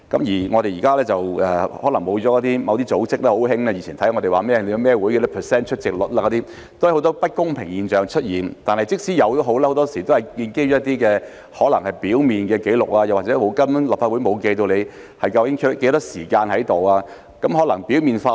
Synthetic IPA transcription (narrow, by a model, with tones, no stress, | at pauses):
kɐ˨˥mjiː˨˩ŋɔ˨˧ɾe˨jiː˨kaː˥lɛː˥t͡sɐ˨wɛː˨hɔː˨˥lɐ˨˩ŋmo˨˧wt͡sɔː˨˥jɔ˨˧˥t̪̬iː˥mɐ˨˧wt̪iː˥t͡so˨˥wt͡sɪ˥k̚lɛː˥ho˨˥wɦɪ˥ŋaː˧ji˨˥t͡ɕʰiː˨˩nt̪ʰɐ˨˥jŋɔ˨˧t̪e˨jwaː˨˩mɛː˥le˧jmɛː˥wu˨˥jkɛ˧˥ɛ˥pʰəː˨˩sɛː˥nt͡ʃʰɵ˥t̚t͡sɪ˨k̚lʊ˨t̚laː˧kɔ˨˧˥t̪iː˥ | t̪o˥hɐ˨˩ho˨˧˥t̪ɔː˥pɐ˥t̚kʊ˥ŋpʰɪ˨˩ŋjiː˨˩nt͡ʃœː˨ŋt͡ʃʰɵ˥t̚jiː˨˩nt̪aː˨nhɐ˨jt͡sɪ˥k̚siː˨˥jɐ˨˧wt̪o˥ɦo˨˥wlɛ˥ho˨˧wt̪ɔː˥siː˨˩t̪o˥whɐ˨˩jkiː˧nke˥jt͡ʃɔ˨˥jɐ˥t̪̬iː˥kɛː˧ | hɔː˨˥lɐ˨˩ŋhɐ˨˩jpiː˨˥wmiː˨nkɛː˧ke˨˥jlʊ̰˨k̚laː˧jɐ˨waː˨t̚t͡sɛ˨˧˥o˨˧wkɐ˥m˥laː˨p̚faː˧t̚u˨˥jmo˨˧wke˧jt̪̬o˧wle˨˧j | hɐ˨jkɐ˧wkɪ˨˥ŋkʰø˥t̚ke˨˥jt̪ɔː˥siː˨˩kaː˧nhɐ˨˥jt̪o˨waː˧ | kɐ˨˥mɦɔː˨˥lɐ˨˩ŋpiː˨˥wmiː˨nfaː˧